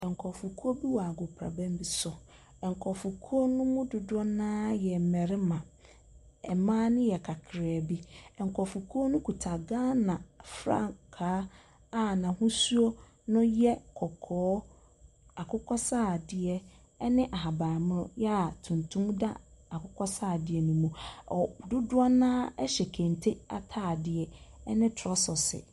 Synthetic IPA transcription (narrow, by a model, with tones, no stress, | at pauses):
ɛ˨ŋ̩˨kʰɔ˨fu˨kʰu˦o˦bi˦wɔ˨a˨ɡʊ˨pʰɾa̰˨bɛ̃˦m˦bi˨sʊ˨ | ɛ˨ŋ̩˨kʰɔ˨fu˨kʰu˦o˦nʊ̃˦mʊ̃˦dʊ˨dɔ˦nãː˦jɛ˨m̩˨mɛ˨ɾɪ˦mã˨ | ɛ˨mãː˦nʊ̃˦jɛ˨kʰa˨kʰɾɪ˨a˨bi˦ɛ˨ŋ̩˨kʰɔ˨fu˨kʰu˦o˦nʊ̃˦kʰu˨tʰa˨ɡãː˦nã˨fɾa̰˦kʰaː˨˦ | a˦˨nã˨hũ˦su˦o˦ | nʊ̃˦jɛ˦kʰɔ˨kʰɔː˨˦ | a˨kʰʊ˦kʰɔ˦saː˦˨dɪ˦ɛ˦ | ɛ˦nɪ̃˦ʔa˨ɦa˨ba˨mʊ̃˦ɾʊ̰̃˦jɛ˦a˨tʰũ˨ntʰũ˦mda̰˦a˨kʰʊ˦kʰɔ˦saː˦˨dɪ˨ɛ˨nũ˨mũ˨ɔ˨dʊ˦dʊ˦ɔ˦nãː˦ɛ˦ɕɛ˨kʰẽ˨n˨tʰe˦a̰˨tʰaː˦˨dɪ˨ɛ˨ɛ˦nɪ̃˦tʰɾɔ˦sɔ˨sɪ̰˨